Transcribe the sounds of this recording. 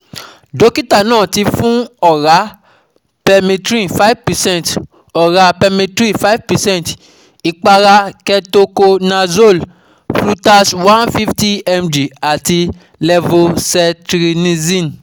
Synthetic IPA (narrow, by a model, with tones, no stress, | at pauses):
do˧˦ki˦ta˦˨nãː˦˨ti˧fũ˦ɔ˦˨ɾa˨˦ | pɛ˧mĩ˧tɾĩ˦˨fa˦vpɛ˨sɛ̃˦˨nt | ɔ˨ɾa˧˦pɛ˧mĩ˧tɾĩ˦˨fa˦i˦vpɛ˨sɛ̃˦nt | i˧k͡pa˧ɾa˧kɛ˧to˧ko˧nã˧zo˦˨l | flu˦ta˧swã˦nfi˦fti˦ɛ˧md͡ʒi˨a˨ti˧ | lɛ˧vo˦sɛ˧tɾi˧nĩ˦zĩ˦˨n